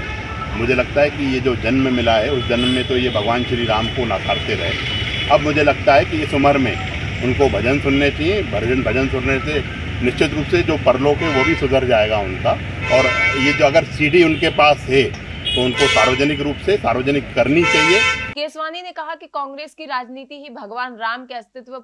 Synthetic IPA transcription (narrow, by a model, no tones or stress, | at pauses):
mʊd͡ʒʱelɐɡ̚t̪aɦɛkijed͡ʒoːd͡ʒɐnmẽmɪlaɦɛʊsd͡ʒɐnmmːẽt̪ojebʱɐɡʋaːnʃɾiɾaːmkona̰ːkʰaːɾt̪eɾɐɦeː | ɐbmʊd͡ʒʱelɐɡ̚t̪aɦɛkiɪsʊməɾmḛ̃ | ʊnkobʱɐd͡ʒənsʊnːet͡ʃaːɦiẽbʱəɾd͡ʒənbʱɐd͡ʒənsʊnnese | nɪʃt͡ʃʰɪt̪ɾuːpsed͡ʒoːpɐɾlokɦɛ̃ʋobʱisʊzəɾd͡ʒaːeːɡaʊnka | ɔːɾjed͡ʒoːɐɡəɾsiːɖiʊnkepaːsɦɛt̪oʊnkosaːɾʋəd͡ʒənɪkɾuːpsesaːɾʋəd͡ʒnɪkːɐɾnit͡ʃaliekeːsʋaːninekɐɦakikɔ̃ːŋɡɾeːskiɾaːd͡ʒniːt̪iɦibʱɐɡʋaːnɾaːmkeɐst̪ʰɪt̪ʋə